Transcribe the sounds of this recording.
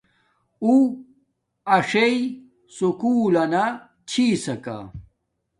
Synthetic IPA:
u | ɐʂei | sukuːlɐna | t͡ɕʰiːsɐka̰

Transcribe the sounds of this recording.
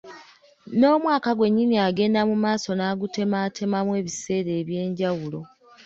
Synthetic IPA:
no̞ːmwaːkaɡwe̞ɲːiniaɡe̞ːndamumaːso̞naːɡute̞maːtʰe̞mamwe̞ːβise̞ːɾe̞ːβje̞ːɲɟawulo̞

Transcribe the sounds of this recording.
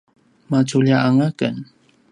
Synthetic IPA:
mat͡ʃuʎaʔaŋakən

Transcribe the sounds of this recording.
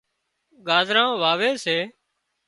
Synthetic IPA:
ɡaːzɾãːʋaːʋeːseː

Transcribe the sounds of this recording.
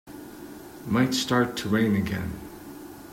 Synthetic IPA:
maɪtstɑɹtʰəɹẽɪ̃nɨɡɛ̰̃n

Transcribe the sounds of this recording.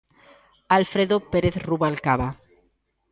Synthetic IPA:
alfɾeðopeɾeθruβalkaβa

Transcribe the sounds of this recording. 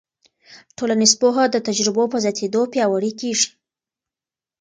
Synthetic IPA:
ʈolanizpoɦad̪ət̪ad͡ʒɾɪbopəzjɑt̪ʰed̪opjɑwaɽikeʐi̥

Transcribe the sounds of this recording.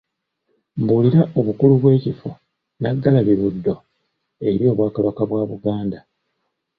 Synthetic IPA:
mbuliɾaʔo̞βukuluβwe̞ːcifo | naɡːalaβiɾudːo̞ | e̞ɾjo̞ːβwaːkaβakaβwaːβuɡaːnda

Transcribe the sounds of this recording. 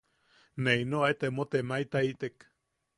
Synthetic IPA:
neinoajt̪emot̪emait̪ait̪ek

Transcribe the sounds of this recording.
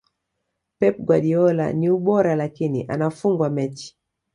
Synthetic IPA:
pɛp̚ɡwaɗiɔla̰niuɓɔɾalakinḭʔa̰nafuŋɡwamɛt͡ʃi̥

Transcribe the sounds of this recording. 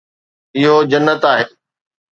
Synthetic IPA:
ɪɦod͡ʑɐnːət̪aːɦeː

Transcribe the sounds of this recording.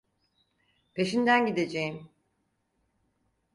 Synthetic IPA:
pʰe̞ʃind̪ænɟid̪e̞d͡ʒejim

